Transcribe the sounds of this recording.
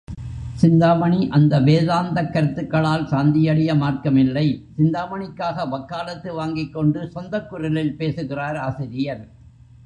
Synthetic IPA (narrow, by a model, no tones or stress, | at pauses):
sɪnd̪aːmɐɳiʔɐnd̪ɐʋeːðaːnd̪ɐkːɐɾɯt̪ːɯkːɐɭaːlsaːnd̪ɪjɐɽɪjɐmaːrkɐmɪlːɐɪsɪnd̪aːʋɐɳɪkːaːɣɐʋɐkːaːlɐt̪ːɯʋaːŋɡɪkːɔɳɖɯsɔnd̪ɐkːʊɾɐlɪlpeːsɯɣɪraːɾaːsɪɾɪjɐɾ